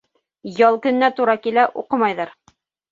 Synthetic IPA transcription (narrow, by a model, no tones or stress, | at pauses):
jɑlˠkɵ̆nːæt̪uɾɑkilæʔuqɤmɑjðɑɾ